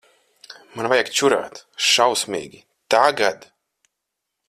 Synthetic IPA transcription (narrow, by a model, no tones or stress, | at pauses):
manvajakt͡ʃuɾa̰ːt̪ʃawsmʲḭːɡʲi | t̪aɡad̪